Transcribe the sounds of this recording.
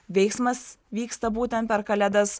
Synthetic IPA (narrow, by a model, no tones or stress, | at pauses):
ʋʲɛɪksmɐsʋʲiːkst̪ɐbuːt̪ʲɛnt̪̚pʲɛɾkɐlʲæd̪ɐs